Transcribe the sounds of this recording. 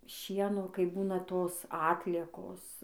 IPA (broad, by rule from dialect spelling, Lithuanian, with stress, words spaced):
ˈʃʲiɛnoː kɐɪ ˈbuːnɐ ˈtoːs ˈɑːtʲlʲiɛkoːs